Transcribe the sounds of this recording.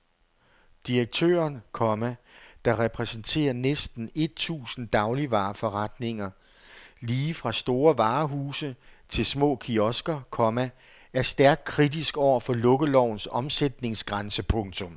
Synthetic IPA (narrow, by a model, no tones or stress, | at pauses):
d̥iʁɐɡ̥̚t͡sʰø̰ːɐnkʰɒ̽mæd̥ɑ̈ʁɛpʰʁɛsn̩t͡sʰe̝̰ːɐnesd̥n̩e̝d̥̚t͡sʰṵːsn̩d̥ɑ̈ʊliʋɑ̰̈ːfɒ̽ʁad̥ne̝ŋɐ | liːfʁɑ̈sd̥o̝ːɐʋɑ̈ːɦuːsət͡sʰe̝lsmɔ̰̽ːkʰiɒ̽sɡ̥ɐkʰɒ̽mæ | æɐsd̥æɐɡ̥̚kʰʁidisɡ̥ɒʊ̰ɐfɒ̽lɔ̽ɡ̥əlɒʊ̰nsɒ̽msed̥ne̝ŋsɡ̥ʁansəpʰɔ̽ŋt͡sʰɔ̽m